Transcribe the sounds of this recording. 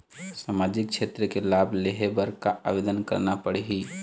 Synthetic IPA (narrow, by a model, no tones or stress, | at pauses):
saːmaːd͡ʒɪk̚kt͡ʃʃʰeːt̪ɾəkelaːbʱleɦebəɾkaʔa̰ːʋeːd̪ənkɐɾnapəɽeɦiː